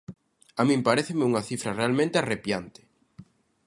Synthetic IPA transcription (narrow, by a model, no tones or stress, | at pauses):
amĩmpaɾeθɪmɪuŋɐθifɾɐrealmẽnt̪ɪarepjant̪ɪ̥